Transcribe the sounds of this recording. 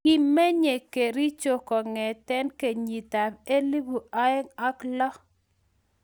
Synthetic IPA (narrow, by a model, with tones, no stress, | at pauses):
i˨mmːɛ˦ɲe˨ke˨ɾi˦t͡ʃo˦˨kɔ˨ŋɛ˨tɛ˦nke˨ɲi˨ta˨be˦li˦bu˨a˦ɛ˦ŋa˦klɔ˦